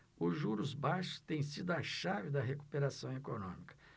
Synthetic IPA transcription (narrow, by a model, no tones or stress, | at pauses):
ʊʒuɾʊzbajʃʊ̥t̪ẽj̃sid̪ʊɐʃavɪd̪ɐɦeku̥peɾasɐ̃w̃ekonõmikɐ̥